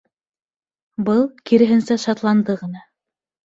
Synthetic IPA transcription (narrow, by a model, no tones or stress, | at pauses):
bɤlˠkiɾɘ̆ɦɘ̆nsæʃɑt̪lˠɑnd̪ɤʁɤ̆nɑ